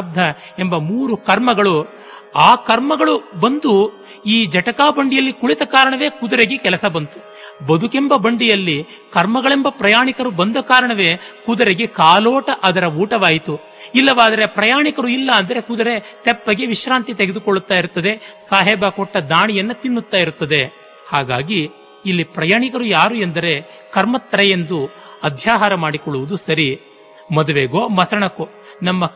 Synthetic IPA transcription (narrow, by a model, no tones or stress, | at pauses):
b̚d̪ʱɐ | embɐmuːɾukɐɾmɐɡɐɭu | aːkɐɾmɐɡɐɭubɐnd̪u | iːd͡ʒɐʈɐkaːbɐɳɖijɐlːikuɭit̪ɐkaːɾɐɳɐʋe̞ːkud̪ɐɾeɡekɛlɐsɐbɐnt̪u̥ | bɐd̪ʱukembɐbɐɳɖijɐlːi | kɐɾmɐɡɐɭembɐpɾɐjaːɳikɐɾubɐnd̪ɐkaːɾɐɳɐʋeːkud̪ɐɾeɡekaːloːʈɐʔɐd̪ɐɾɐuːʈɐʋaːjit̪u | ilːɐʋaːd̪ɐɾe̞pɾɐjaːɳikɐɾuilːɐːnd̪ɐɾe̞kud̪ɐɾe̞ | t̪ɛpːɐɡeʋiʃɾaːnt̪it̪eɡed̪ukoɭːut̪ːaːjiɾut̪ːɐd̪e̞saːɦɛːbɐkɔʈːɐd̪aːɳijɐnːɐt̪inːut̪ːaːjiɾut̪ːɐd̪e | haːɡaːɡiː | lːipɾɐjaːɳikɐɾujaːɾuend̪ɐɾe̞ | kɐɾmɐt̪ːɐɾɐjend̪u | ɐd̪ʱjaːɦaːɾɐmaːɽikɔɭːuʋud̪usɐɾi | mɐd̪uʋeːɡoːmɐsɐɳɐku | nɐmːɐ